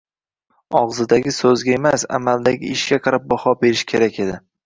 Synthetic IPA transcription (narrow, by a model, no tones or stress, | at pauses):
ɒʁzɪd̪aɡʲɪsɵzɡʲae̞masa̰mald̪aɡʲɪɪʃɡʲaqʰɑɾap̚bɒhɒbe̞ɾɪʃkʲʰe̞ɾakʲe̞d̪ɪ